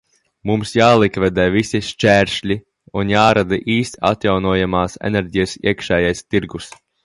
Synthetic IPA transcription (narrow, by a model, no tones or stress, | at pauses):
mumsjaːlˠikvɛd̪ɛːvisʲiʃt͡ʃæːɾʃlʲi | unjaːɾad̪ɐʔiːst̪ʲa̰t̪jawnuɔjamaːsɛ̰nɛɾʲɟijɛsḭɛəkʃɛːjajst̪iɾɡus